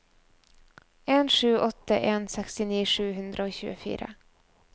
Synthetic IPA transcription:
ɛnʂʉ̟ːɔt̪ːaʔɛnsɛkst̪ɪniːʂʉ̟ːɦɵnd̪ɾaɔkɕʉ̰ːɡʊfy̰ːɾa̰

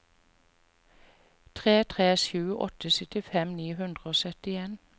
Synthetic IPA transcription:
t̪ʰʁeːt̪ʰʁeːsjʉːəʔɔ̰t̪əsœt̪ɪfɛmniːhʉnd̪ʁəoːsœt̪ɪeːn

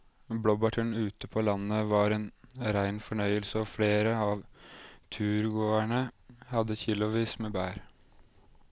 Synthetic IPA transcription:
blɔbɑʈʰəɳʉːt̪əpʰoːlɑnːəʋɑːɾeːnɾæɪnfɔɳœʏəlsəɔfɽeːɾəɑːʋt̪ʰʉːɾɡoːæɳəhɑd̪əçɪlʊʋiːsmeːbæːɾ

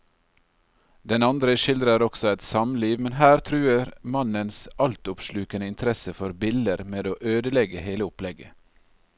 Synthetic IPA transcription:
d̪ɛnɑnd̪ɾəʃɪld̪ɾəɾɔksɔɛt̪sɑmliːʋmɛnɦæːɾt̪ʰɾʉːəɾmɑnənsɑlt̪ʊpʃlʉːkənəɪnt̪ʰɾɛsəfɔɾbɪld̪əɾmeːd̪oːʔøːd̪əlɛɡəheːləʊplɛɡə

